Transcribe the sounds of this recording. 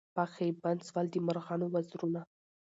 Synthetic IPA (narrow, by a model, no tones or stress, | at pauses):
paxeband̪swɑld̪əmaɾɣɑnowazɾuna